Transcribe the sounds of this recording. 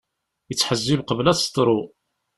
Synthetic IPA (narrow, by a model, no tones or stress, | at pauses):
jət͡sːħəzːibqəvlæst̪ˤɾˤʊ